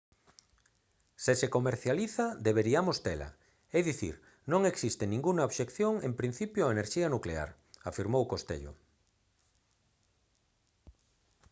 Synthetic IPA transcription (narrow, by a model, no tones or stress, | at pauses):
sesekomeɾθjaliθad̪eβeɾiamost̪ela̰ | ɛðiθḭɾ | nõŋeksist̪enĩŋɡuŋaoβʃekθjoŋempɾin̟θipjoaeneɾʃianuklea̰ɾ | afiɾmowkost̪ḛʎo̰